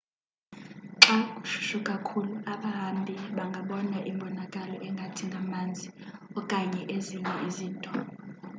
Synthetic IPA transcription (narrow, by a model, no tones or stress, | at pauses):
ǁakʼuʃu̥ʃukʼakʰuluaɓaɦambʱiɓaŋɡʱaɓɔnaʔimbʱɔnakʼalɔʔɛŋɡʱatʰiŋɡʱamand͡zʱiɔkʼaɲɛʔeziɲɛʔiziːntʼɔ